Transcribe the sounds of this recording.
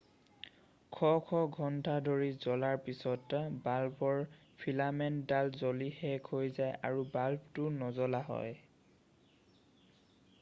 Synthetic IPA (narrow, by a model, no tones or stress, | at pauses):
kʰɔkʰɔɡʱɔntʰadʱoɹizɔlaɹpisɔtbalbɔɹ | pʰilamɛndalzolihɛkʰojzajʔa̰ɹubalbtʊnɔzɔlaɦɔ̰j